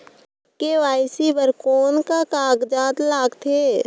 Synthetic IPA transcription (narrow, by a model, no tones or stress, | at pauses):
keʋaːɪsibəɾkoːnkakaːɡd͡ʒaːt̪laːɡt̪ʰeː